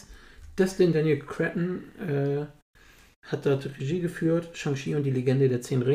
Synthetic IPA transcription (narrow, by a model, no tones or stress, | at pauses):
d̥ɛslɪndanjəlkʰʁ̥ɛtn̩ʔɛː | hat̚d̥ɔɐtʁeʒiːɡəfyːɐtʃaŋʃiːʊnt̚d̥iːleɡɛndədeːɐt͡seːnʁɪ